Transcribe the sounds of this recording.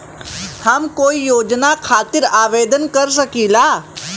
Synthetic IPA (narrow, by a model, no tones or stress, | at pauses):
hɐmkoːijoːd͡ʒnakʰaːt̪ɪɾaːʋeːd̪ənkɐɾs̬əkiːlaː